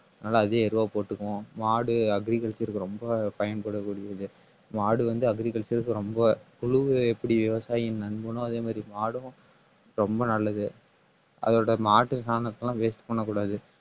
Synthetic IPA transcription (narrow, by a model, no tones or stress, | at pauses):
ɐðnaːlɐːðeːɛɾɯʋaːpoːʈːɯkːʊ̃maːɽɯɐɡɾikɐlt͡ʃɐɾɯkːɯɾɔmbɐpɐjɐnpɐɽɐkːuːɽɪjɐðɯ | maːɽɯʋɐnd̪ɯɐɡɾikɐlsɐɾɯkːɯɾɔmbɐ | ʊɻʊʋɯɛpːɐɽiʋɪʋɐsaːjɪnnɐɳbɯnʊ̃ɐðeːmaːd̪ɾimaːɽɯ̃ | ɾɔmbɐnɐlːɐðɯ | ʔɐ̰ðoːɽɐmaːʈːɯsaːnɐt̪ːɐlãːʋeːsʈɯ̥pːɐɳːɐkːuːɽaːðɯ